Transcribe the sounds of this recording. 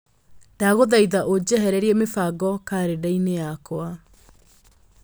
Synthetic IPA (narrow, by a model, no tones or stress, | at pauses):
d̥aɣoðaiðaʔod͡ʑɛɦɛɾɛɾiɛmefaɡɔkaɾedainejakwa